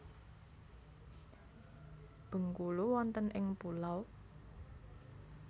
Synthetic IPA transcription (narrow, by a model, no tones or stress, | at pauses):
b̥ə̤ŋkuluwɔnt̪ənʔɪŋpulaw